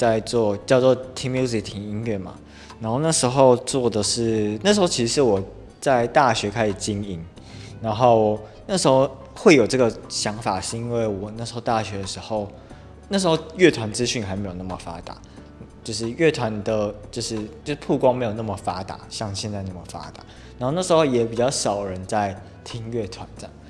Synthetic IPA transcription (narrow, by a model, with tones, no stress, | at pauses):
t͡sa˥˧ɪt͡swɔ˥˧t͡ɕjɑ˥˧ʊt͡swɔ˥˧t̪ʰi˧˥mju˥zi˨kt̪ʰi˨˥ŋi˥nɥɛ˥˩ma̰˩ | na˧˦nxo˥˧ʊna˥˩ʂɻ̩˧˥xo˥˧ʊt͡swɔ˥˩d̪ə˩ʂɻ̩˥˩na˥˩ʂɻ̩˧˥xo˥˩t͡ɕʰi˧˥ʂɻ̩˧˥wɔ˨˩ | t͡sa˥˧ɪt̪a˥˩ɕɥɛ˧˥kʰa˥ɪʂɻ̩˨˩t͡ɕi˦˥ni˨˩n | na˧˥nxo˥˩ʊ˨˩na˥˩ʂɻ̩˧˥xo˥˧ʊ | xwe˥˩ɪjo˨˩ʊʈ͡ʂɤ˥˩ɡə˨˩ɕjɑ˧˥ŋfa̰˨˩ʂ̩˥i˥nwe˥˩ɪwɔ˨˩na˥˩ʂɻ̩˧˥xo˥˧ʊt̪a˥˩ɕɥɛ˧˦d̪ə˨ʂɻ̩˧˥xo˥˧ʊ | na˥˩ʂ̬ɻ̩˧˥xo˥˧ʊɥɛ˥˩t̪ʰwa˧˥nt͡sɹ̩˦ɕy˥˩nxa˧ɪme˧˥jo˨˩na˥˩mə˨˩fa̰˥t̪a̰˨˦ | t͡ɕjo˥˧ʊʂ̬ɻ̩˥˧ɥɛ˥˩t̪ʰwa˧˦nd̪ə˨t͡ɕjo˥˧ʊʂɻ̩˥˧t͡ɕjo˥˧˥pʰu˥˧kwɑ˥ŋme˧˥ɪjo˨˩na˥˩mə˨˩fa˥t̪a̰˨˩˦ɕjɑ˥˧ŋɕjɛ˥˧nt͡sa˥˧ɪna˥˩mə˩fa̰˥t̪a̰˨˩˦ | na˧˦nxo˥˧na˥˩ʂɻ̩˧˥xo˥˧˩ʊjɛ˨˩pi˨˩t͡ɕɑ˥˩ʊʂɑ˨˩ʊɻə˨˦nt͡sa˥˩ɪ | t̪ʰi˥ŋɥɛ˥˩t̪ʰwa˧˦nt̪a˥˩